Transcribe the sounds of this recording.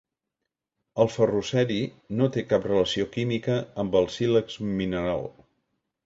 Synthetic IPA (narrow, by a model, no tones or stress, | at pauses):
əlˠfərusɛɾi | not̪ekaprələsiokimikəəmbəlˠsiləkzminəɾa̰lˠ